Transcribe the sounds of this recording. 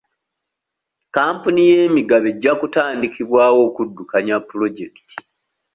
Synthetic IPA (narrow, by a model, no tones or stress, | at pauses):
kaːmpunijeːmiɡaβe̞ɟːakutaːndikiβwaːwo̞ːkudːukaɲapːulo̞ɟe̞ki̥tʰi̥